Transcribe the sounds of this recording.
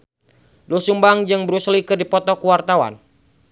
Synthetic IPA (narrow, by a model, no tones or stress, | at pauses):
dusumbaŋd͡ʒɨŋbəɾuslikɨrdipɔt̪ɔkuwart̪awa̰n